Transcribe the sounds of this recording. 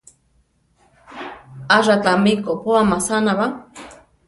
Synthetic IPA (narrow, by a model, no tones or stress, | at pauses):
aʐat̪amikopoamasanaβa